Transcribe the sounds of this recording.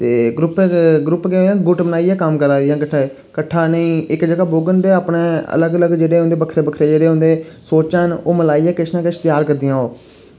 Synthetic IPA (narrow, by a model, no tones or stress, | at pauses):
t̪eːɡɾʊpɡɾʊpkeãːɡʊʈbənaːiɛːkəmkəɾaːd̪ijãːkəʈʰːaː | kəʈʰːaːnəĩːɪkd͡ʒəɡaːboːɡənd̪eːaːpneːə̰ləɡələɡd͡ʒeːɽeːɦʊnd̪eːbəkʰɾeːbəkʰɾeːd͡ʒeːɽeːɦʊ̃ːnd̪eːsoːt͡ʃanoːməlaːiːɛːkɪʃnãːkeɪʃt̪ɪjaːɾkəɾd̪ijãːɦoː